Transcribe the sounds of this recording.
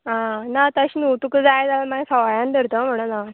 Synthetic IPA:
ɦãnat̪əɕinut̪ukəd͡zajd͡zalamaɡsəʋajãnd̪əɾt̪əm̤əɽ̃ona

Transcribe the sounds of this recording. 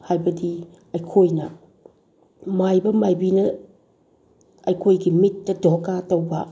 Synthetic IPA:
hajbɐdi | ɐjkʰojnɐ̰ | majbɐmajbinɐ | ɐjkʰojɡimitːɐdokatɐwbɐ

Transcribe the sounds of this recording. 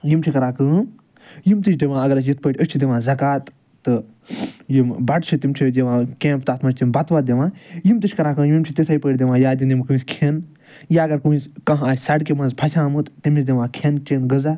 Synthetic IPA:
jimt͡ʃʰikɐɾaːkɨ̃ː | jimt̪ɨt͡ʃʰd̪iʋãːɐɡɐɾɐsjit̪̚ʰpəʈʰʲəst͡ʃʰid̪iʋãːzɐkaːt̪ː | ɨ | jimbɐʈt͡ʃʰit̪imt͡ʃʰid͡ʒeʋãːkẽːmp̚t̪at̪ʰmɐt͡ʃʰt̪imbɐt̪ʋat̪d̪eʋãːjimt̪ɨt͡ʃʰʲkɐɾaːkɨːjmimt͡ʃʰit̪esaipəːʈʰʲd̪eʋãːjaːd̪ind̪imkũːskʰen | jaɐɡɐɾkuːskɐ̃ɦaːsʲsɐɽkemɐnzpʰɐsʲãːmɨt̪t̪imisd̪iʋãːkʰent͡ʃenɡɨza

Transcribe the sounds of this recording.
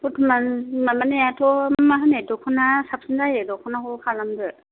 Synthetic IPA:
putʰɯmanmamanejatʰɔmaɦɯnedɔkʰɯnasap̚sɯnzajedɔkʰɔnakɔkʰalamdɯ

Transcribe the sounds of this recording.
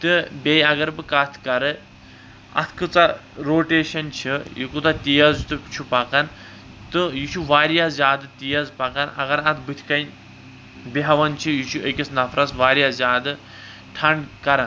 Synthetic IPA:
t̪ɨbʲejɐɡɐɾbɨkat̪ʰkɐɾɨ | ɐ̰t̪ʰkɨt͡saɾoːʈeːʃɐnt͡ʃʰijikut̪at̪ijɐzt̪ɨt͡ʃʰupɐkan | t̪ɨjit͡ʃʰuʋaːɾjazʲaːd̪ɨt̪ijɐzpɐkanɐ̰ɡɐɾɐt̪ʰbɨt̪ʲʰkɐnʲ | beɦɐʋɐnt͡ʃʰijit͡ʃʰuəkʲisʰnɐfʰɾɐsʋaːɾʲjazʲaːd̪ɨ | ʈʰɐɳɖkɐɾan

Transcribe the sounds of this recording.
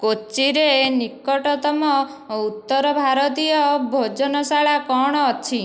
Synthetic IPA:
kot͡ʃiɾenikːɔʈɔt̪ɔmɔ | ut̪ːɔɾɔbʱaɾɔt̪ijɔbʱod͡ʒɔnɔsaɭakɔɳ̃ɔɔt͡ʃʰi

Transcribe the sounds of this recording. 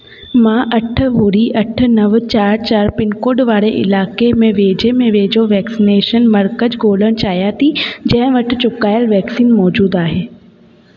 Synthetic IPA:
mãːʔɐʈʰə̆ɦuɾiʔɐʈ̆ʰnɐʋt͡ɕaːɾt͡ɕaːɾpɪnkoːɖʋaːɾeʔɪ̰laːkemẽʋeːd͡ʑemẽʋeːd͡ʑoʋɛːksineːʃənmɐɾkəd͡ʑɡʱoːləɽ̃t͡ɕaːɦijat̪ʰid͡ʑɐ̃ɦɪ̃ʋɐʈʰɪ̆t͡ɕʊkaːjəlʋɛːksiːnmɔːd͡ʑuːd̪aːɦeː

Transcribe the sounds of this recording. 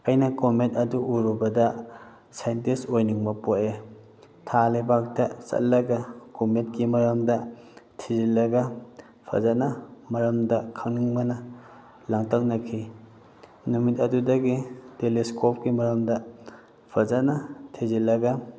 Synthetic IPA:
ɐjnɐkometɐduʔuɾubɐdɐ | sajntisojniŋmɐpoʔe | tʰalebak̚dɐsɐ̰t̚lɐɡɐkomet̚kimɐɾɐmdɐtʰizilɐɡɐ | pʰɐ̰zɐt̚nɐmɐɾɐmdɐkʰɐŋniŋmɐnɐ | laŋtʰak̚nɐkʰi | numit̚ɐdudɐɡiteliskop̚kimɐɾɐmdɐ | pʰɐzɐt̚nɐtʰizilɐɡɐ

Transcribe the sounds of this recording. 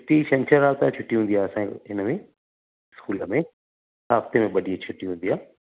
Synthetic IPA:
ʈiʃɐ̃nt͡ɕʰəɾːaːb̚t̪at͡ɕʰʊʈːiɦũːnd̪iaːɐsã̰ɦɪnəmẽ | skuːləmẽ | saːft̪emẽɓɐɗiẽt͡ɕʰʊʈːiɦũːnd̪ijaː

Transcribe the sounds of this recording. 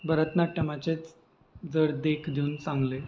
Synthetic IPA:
bʱəɾət̪naʈːəmat͡ɕet͡s | d͡zəɽd̪ekʰd̪ʱiuːnsãŋɡle

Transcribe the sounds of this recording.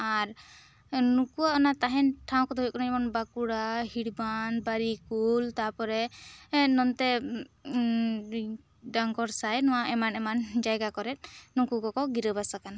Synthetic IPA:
aɾ | nukuaɔnat̪aɦɛnʈʰaw̃kɔd̪ʱɦjkɔnad͡ʒɛmɔnbakuɽahiɽbanbaɾikult̪apɔɾɛ | nɔnt̪ɛ | ɖaŋkɔɾsajnɔwaʔɛmanɛmand͡ʒajɡakɔɾɛt̪̚nukukɔkɔɡiɾəbasakan

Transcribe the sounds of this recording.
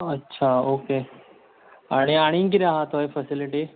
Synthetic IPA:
ətːɕʰaoːke | aɽ̃iaɽ̃ĩkiɾaɦət̪ɦojfəsiliʈi

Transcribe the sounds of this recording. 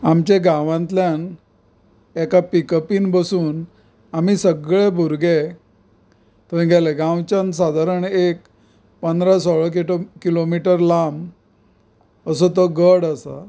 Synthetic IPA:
amt͡ɕẽɡãʋãnt̪ljan | ekapikəpiːnbəsuːn | amisəɡɭebʱuɾɡe | t̪əĩɡʱaleɡãwt͡ɕans̬ad̪ʱaɾəɳek | pənd̪ɾasəɭəkkilomiʈəɾlam | əs̬ot̪əɡəɽasa̰

